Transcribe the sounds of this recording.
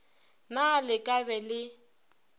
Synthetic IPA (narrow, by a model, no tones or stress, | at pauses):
nalɪkʼabɛlɪ